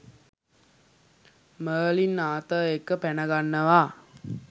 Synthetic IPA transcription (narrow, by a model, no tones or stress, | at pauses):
məːlinːaːt̪əekːəpænəɡanːəʋaː